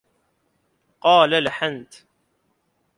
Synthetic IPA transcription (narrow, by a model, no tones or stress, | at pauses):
qɑːlalħant̪